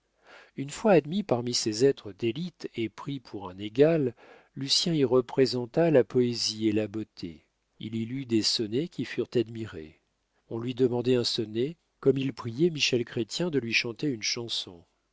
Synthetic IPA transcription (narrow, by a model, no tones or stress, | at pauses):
ynfwaːd̪mipaʁmisezɛt̪χəd̪elit̪epχipʰuʁɛ̃neɡalː | ysjɛ̃iʁəpχezɑ̃t̪alapɔezielabot̪ʰḛ | ḭlilyd̪esɔnekʲifyʁt̪ad̪miʁḛ | ɔ̃lɥid̪əmɑ̃d̪ɛɛ̃sɔne | kɔmilpχijɛmiʃɛlkχet̪jɛ̃d̪əlɥiʃɑ̃t̪eynʃɑ̃sɔ̰̃